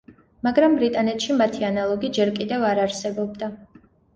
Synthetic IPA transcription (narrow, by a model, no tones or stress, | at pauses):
maɡɾambɾit̪ʼanɛt̪ʰʃimat̪ʰianalˠɔɡid͡ʒɛɾkʼid̪ɛvaɾaɾsɛbɔb̚d̪a